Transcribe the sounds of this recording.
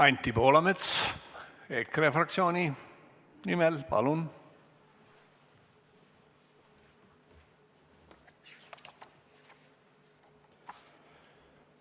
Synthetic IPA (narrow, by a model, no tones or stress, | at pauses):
ɑjnt̪ːiboːlɑmet̪s | ekrefɾɑk̪̚sjoːni | nimɛlpɑ̰lun